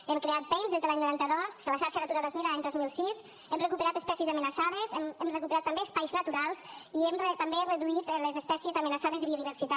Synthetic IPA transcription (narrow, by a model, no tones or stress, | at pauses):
ɛmkɾeat̪̚bɛjnzðezðəlaɲnuɾant̪əðɔsləʃaɾʃənət̪uɾad̪ɔzmilaɲd̪ɔzmilˠsiz | ɛmrəkupəɾat̪əspɛsiəzəmənəsaðəzɛmɛmrəkupəɾat̪ːəmbeəspajznət̪uɾalˠziɛmret̪əmberəðuit̪ləzəspɛsiəzəmənəsaðəzðəβioðiβ̞əɾsit̪a